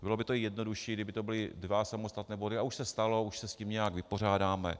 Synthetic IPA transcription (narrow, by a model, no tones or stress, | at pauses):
bɪlo̞bɪt̪oɪjɛdno̞duʃiːɡdɪbɪt̪o̞bɪlɪdvasamost̪at̪nɛːbo̞dɪauʃsɛst̪alo̞uʃsɛsciːmɲɛjakvɪpo̞r̝aːdaːmɛ